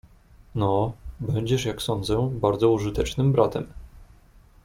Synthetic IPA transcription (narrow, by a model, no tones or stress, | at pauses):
nɔbɛɲd͡ʑɛʂjaksɔnd̪zɛbaɾd̪zɔuʐɘt̪ɛt͡ʂnɘmbɾat̪ɛm